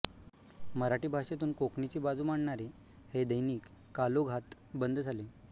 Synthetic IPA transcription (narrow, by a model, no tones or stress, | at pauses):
məɾaʈiːbʱaʂet̪uːnkokɳit͡ɕiːbad͡zuːmaɳɳaɾe | hed̪əjniːkː | aloɡʱat̪ | bənd̪d͡zʱale